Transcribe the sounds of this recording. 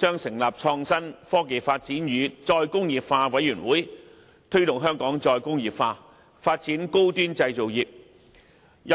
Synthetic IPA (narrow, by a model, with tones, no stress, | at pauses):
t͡ʃœː˥ŋsɪ˨˩ŋlaː˨p̚t͡ʃʰɔː˧ŋsɐ˥nfɔː˥k̬e˨jfaː˧t̚t͡siː˨˥njyː˨˧t͡sɔː˧jkʊ˥ŋjiː˨pfaː˧wɐ˨˥jyː˨˩nwuː˨˥j | t̪ʰɵ˥ɥt̪ʊ˨ŋɦœː˥ŋkɔː˨˥ŋt͡sɔː˧jkʊ˥ŋjiː˨pfaː˧ | faː˧t̚t͡siː˨˥nko˥wt̪yː˥nt͡sɐ˧jt͡so˨wjiː˨p̚ | j